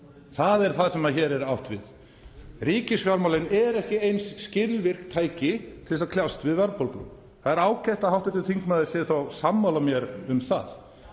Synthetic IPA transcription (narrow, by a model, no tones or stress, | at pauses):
θaðɛɾ̥θaðsɛmaðçɛːɾɛɾawht̪vɪ̰ð | riːcɪsfjaɾmawlɪnɛɾɛhcɪejnsːcɪɾlvɪr̥k̚t̪ʰaːjcɪt̪ʰɪlsaðkʰljawst̪vɪðvɛɾpolkʏ̰m | θaðɛɾaːwcajht̪ahawht̪ɛt̪ɪθiŋkmaːðɪɾ̥sɛːðɪθawsamːawlamjɛɾʏmθa̰ð